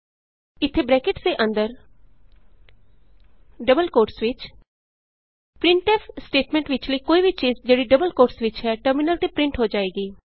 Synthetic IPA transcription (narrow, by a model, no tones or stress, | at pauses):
ɪt̪ʰːeːbɾɛːkɪʈsd̪eːʔə̃nd̪əɾ | ɖəbəlkoːɾʈsʋɪt͡ʃ | pɾɪ̃ɳʈɛːpʰsʈeːʈmɛ̃ɳʈʋɪt͡ʃləiːkoːiːʋiːt͡ʃiːzd͡ʒeːɽiːɖəbəlkoːɾʈsʋɪt͡ʃɦɛːʈəɾmɪnəlt̪eːpɾɪ̃ɳʈɦoːd͡ʒaːeːɡiː